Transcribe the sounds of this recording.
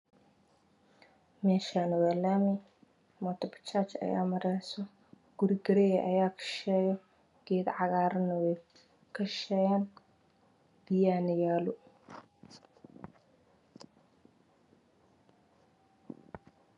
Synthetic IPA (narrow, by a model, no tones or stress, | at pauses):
mɛːʃaːnʊwalaːmɪ | mɔt̪ʰɐbɐ̥t͡ʃaːt͡ʃɐ̰ja̰ːmɐɾɛjsɔ | ɡ̥ʊɾɪɡɐɾɛjɛʔɐjaːkʰɐ̥ʃɛːjɔ | ɡ̥ɛːd̪ʕɑɣaːɾɐnɐwɛ | kʰɐʃɛjaːn | b̪̥ɪjaːnɪjaːlʊ